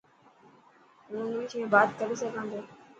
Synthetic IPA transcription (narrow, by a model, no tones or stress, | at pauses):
mũːnĩːt͡ʃʰẽːbaːt̪kəɾisəɡʱãːnd̪oː